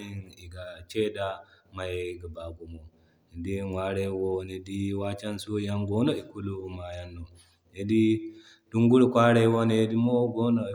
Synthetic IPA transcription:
i˦ni˨ɡa˨t͡ʃe˦da˨ma˨jɡa˨ba˨ɡu˨mo˨ | e˨di˦wa˦ɾe˦wo˦ne˨di˦wa˦t͡ʃɛ˦nsu˦ja˦ŋɡo˦no˦i˨ku˦lu˦ma˨ja˦nːo˨ | e˨di˦ | d̥u˦ŋɡu˦ɽu˨kʷa˦ɽe˦wo˦ne˨e˦di˦mo˦ɡo˦no˨

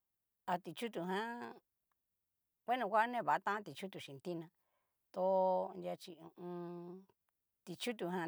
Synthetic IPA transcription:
a˧t̪i˧t͡ʃu˦t̪̬u˧ɦã˦ | kʷe˦nũ˧kʷa˦nẽ˦˨βa˨˦˧t̪ã˦ã˦t̪i˧t͡ʃu˦t̪u˨ʃĩ˨nt̪i˦nã˧ | t̪o˧˦˧nd̪ʲja˧t͡ʃi˧ũ˧ũ˧ | t̪i˧t͡ʃu˦t̪̬u˧ɦã˧

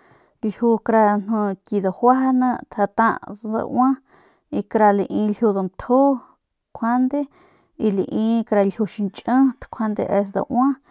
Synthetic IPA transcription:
lhu˧kɾa˧n̥õ˧ki˧d̪o˨hwa˦ha˧nã˧t̪ʰa˧t̪ã̰˧ʔd̪a̰˧ʔwʷã˦ | i˧kɾa˧li˧ʔĩ˧lhu˧d̪o˧mt̪ʰo˦ | kʷʰa˦nd̪e˦ | i˧li˧˨ʔĩ˧kɾa˧lhʲu˧ʃi˧nt͡ʃʼə̃˦t̪kʷʰa˧nd̪ḛ˧ʔe˧s̬d̪a̰˧ʔwʷã˦

